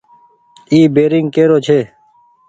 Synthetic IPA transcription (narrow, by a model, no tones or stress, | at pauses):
iːbeːɾɪŋɡ̚keːɾoːt͡ʃʰeː